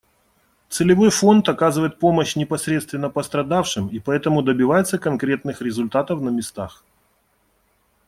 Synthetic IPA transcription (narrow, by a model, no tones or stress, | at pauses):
t̪sɨlʲɪvo̞jfo̞nt̪ɐkazɨvəjɪt̪̚po̞məɕnʲɪpɐsɾʲe̞t̪st̪vʲɪnːəpəst̪ɾɐd̪afʂɨmipɐɛt̪əmʊd̪əbʲɪvajɪt̪səkɐnkɾʲe̞t̪̚nɨxɾʲɪzʊlʲt̪at̪əfnəmʲɪst̪ax